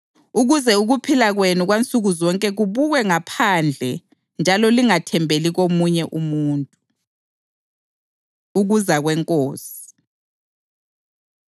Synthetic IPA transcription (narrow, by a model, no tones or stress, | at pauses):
uɣuzɛuɣupʰilaɣwenuɣwant͡sʼuɣuzɔŋkʼɛɣuβuɣwɛŋapʰaːnd͡ɮʱɛ | nd͡ʒʱalɔliŋatʰɛmbʱeliɣomuɲɛʔumuːntʼu | uɣuzaɣwɛŋkʼoːsi̥